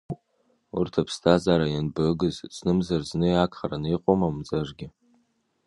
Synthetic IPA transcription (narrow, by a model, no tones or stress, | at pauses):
urtʰapʰstʰazaɾajanbɨɡɨzt͡sʰʼnɨmzarznɨjakʰʼχaɾaniqʼomamd͡zaʐɡʲɪ